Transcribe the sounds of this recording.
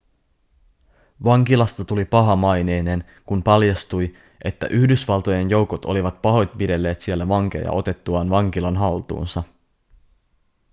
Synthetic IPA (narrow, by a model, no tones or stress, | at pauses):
ʋɑŋkilɑst̪ɑt̪ulipɑɦɑmɑjne̞jne̞n | kumpɑljɑst̪uj | ʔe̞t̪ːæ̰ʔyhdysʋɑlˠt̪o̞je̞njo̞wko̞t̪o̞̰liʋɑt̪̚pɑɦo̞jt̪̚pide̞lːe̞ːt̪sie̞lːæʋɑŋk̟e̞̰jɑ̰ʔo̞t̪e̞t̪ːuɑːnʋɑŋk̟ilɑnɦɑlt̪ṵːnsɑ